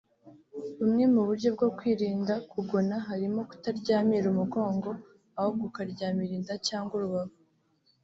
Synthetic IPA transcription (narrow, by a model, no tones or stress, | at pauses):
umŋe̞muβuɾɟo̞bɡo̞kwiːɾiːndakʰuɡo̞naɦaɾimo̞ku̥taɾɟaːmiɾumuɡo̞ːŋɡo̞ | aho̞ɡukaɾɟaːmiɾiːndacaːŋɡuɾuβaho